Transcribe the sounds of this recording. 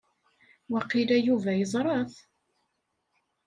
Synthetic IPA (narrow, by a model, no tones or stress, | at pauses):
wɑqːilæjuvæjəzˤɾˤɑθ